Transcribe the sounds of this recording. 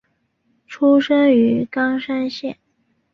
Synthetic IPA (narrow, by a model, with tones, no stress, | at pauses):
ʈ͡ʂʰu˥ʂə˥ŋy˧˥kɑ˥ŋʂa˥nɕjɛ̰˥˩n